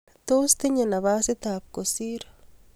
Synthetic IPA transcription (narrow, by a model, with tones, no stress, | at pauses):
t̪o˦st̪e˦ɲe˨na˨βa˦sɪ˦t̪a˨p̚ko˨si˦ɾo